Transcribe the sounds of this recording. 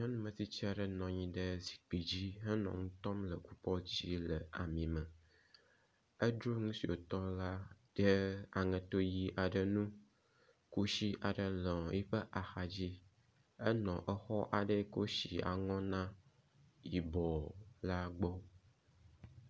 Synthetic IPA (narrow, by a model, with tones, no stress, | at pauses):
ɲɔ̃˦nũ˦mə̃˨t̪i˦t͡ɕi˦a˨ɖə˨nɔ̃˨ɲĩ˦ɖə˦zi̥˨k͡pi˨d͡ʑi˦ɦə˦nɔ̰̃˨ŋũ˦t̪ɔ˦mlə˨ku˦pɔ˦d͡ʑi˦lə˨ʔa˨mĩ˨mə̃˨ | ə˦ɖɾu˦ŋũ˦si˨o̰˨t̪ɔ˦la˦ | ɖ̥ə˦a˨ŋɛ̃˨t̪o˦ji˨ʔa˨ɖə˨nũ˦ | ku˦ʃi˦ʔa˨ɖə˦lɛ˨ɔ˨ji˦ɸə˦ʔa˨xa˨d͡ʑi˦ | ə˦nɔ̃˨ʔə˦xɔ˦ʔa˨ɖə˦ko˦ʃi˨a̰˨ŋɔ̃˦nã˦ | ji˨bɔ˨la˦ɡ͡bɔ˦